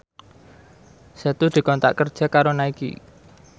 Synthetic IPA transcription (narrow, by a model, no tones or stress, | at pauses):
set̪ud̪̥i̤kɔnt̪a̰ʔkərd̥ʒ̥a̤kaɾonaikḭ